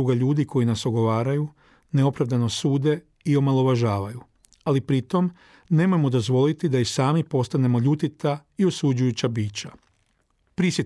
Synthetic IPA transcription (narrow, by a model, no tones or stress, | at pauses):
uɡaʎuːd̪ikʰo̞jinasoɡo̞ʋaːɾaju | neo̞pɾaʋd̪ano̞suːd̪e̞ | io̞malo̞ʋaʒaːʋaju | alipɾit̪o̞m | ne̞mojemod̪o̞zʋo̞lit̪id̪aisaːmipo̞st̪ane̞mo̞ʎut̪it̪aiosud͡ʑujut͡ɕabiːt͡ɕa | pɾisjet